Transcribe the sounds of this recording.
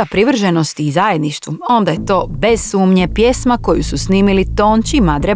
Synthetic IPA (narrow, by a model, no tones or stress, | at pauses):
apɾiʋr̩ʒeno̞st̪iːzaje̞d̪niʃt̪vʋuo̞nd̪aje̞t̪o̞ːbe̞z̥suːmɲepje̞smako̞jususniːmilit̪o̞ːnt͡ʃimad̪ɾe